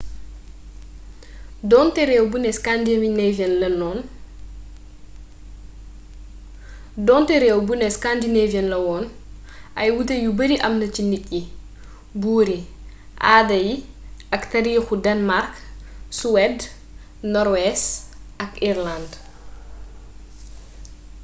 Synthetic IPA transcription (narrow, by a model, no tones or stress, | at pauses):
dɔːntɛɾɛːwbunɛskandivinevjɛnlɐnɔːn | dɔːntɛɾɛːwbunɛskandineviɛnlɐwɔːn | ʔɐjwutejubɐɾiʔɐmnɐcinicːi | buːɾi | ʔaːdɐji | ʔɐktaɾiːxudɐnmarksuwɛd | nɔɾwɛsɐkiɾland